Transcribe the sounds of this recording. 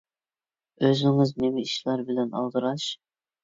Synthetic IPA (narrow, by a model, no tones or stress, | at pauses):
øzɪŋɪznemɛiʃlˠɑɾbɪlɛnɑ̰lˠd̪ɨɾɑʃ